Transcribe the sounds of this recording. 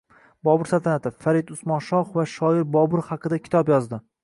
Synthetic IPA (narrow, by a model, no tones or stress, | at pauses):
bɒbʊɾsalt̪ʰanat̪ʰɪfaɾɪd̪ʊsmɒnʃɒχvaʃɒɪɾbɒbʊɾχɑqʰɨd̪akʲʰɪ̥t̪ʰɒpjɒzd̪ɪ